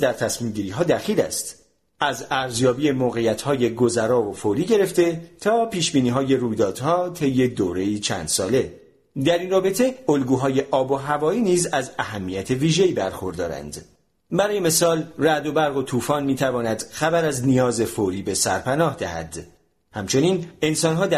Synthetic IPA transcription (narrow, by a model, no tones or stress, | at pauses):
d̪æɾt̪ʰæsmiːmɟiːɾiːɦɒːd̪æxiːlæ̰st̪ | æzæɾzjɒːbiːemoːɣe̞jæt̪ʰhɒːje̞ɡo̞zæɾɒːvofoːɾiːɟe̞ɾe̞ft̪e̞t̪ʰɒːpiːʃbiːniːɦɒːje̞ruːjd̪ɒːd̪̥hɒːt̪ʰe̞jːe̞d̪oːɾe̞iːt͡ʃʰæ̰ːnd̪̥sɒ̰ːle̞ | d̪æɾiːnrɒːbe̞t̪ʰe̞olɡuːɦɒːje̞ʔɒːbo̞ɦævɒːiːniːzæzæɦæmːijæt̪ʰe̞viːʒe̞iːbæɾxo̞ɾd̪ɒːɾæ̰nd̪̥ | bæɾɒːjeme̞sɒːlræd̪o̞bæɾɣo̞t̪ʰuːfɒːnmiːt̪ʰævɒːnæd̪̥xæbæɾæznijɒːze̞foɾiːbe̞sæ̰ɾpʰænɒːhd̪æhæ̰d̪ | hæmt͡ʃʰo̞niːne̞nsɒːnɦɒːd̪æ